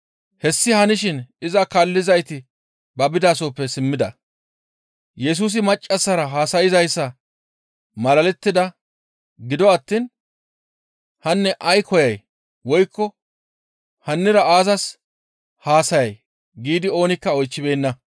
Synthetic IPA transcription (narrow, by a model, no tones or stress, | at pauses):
hɛsːɪhɐnɪʃɪnɪzɐkɐlːɪzɐjt̪ɪ | bɐbɪd̪aːsoːpːɛsɪmːɪd̪ɐ̰ | jɛs̬uːs̬ɪmɐt͡ʃʼːɐsːɐɾɐɦaːsɐjɪzɐjsːɐ | mɐlɐlɛt̪ːɪd̪ɐ | ɡɪd̪ɔɐt̪ːiːn | hɐnːɛʔɐjkʰɔjɐj | wɔjkːɔ | hɐnːɪɾɐaːzɐs | haːsɐjɐj | ɡiːd̪ɪo̞ːnɪkːɐɔjt͡ʃːɪbe̞ːnːɐ